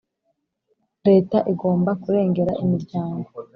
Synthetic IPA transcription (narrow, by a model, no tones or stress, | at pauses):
ɾe̞ːtaʔiɡo̞ːmbakuɾe̞ːŋɡe̞ɾa̰ʔimiɾɟaːŋɡo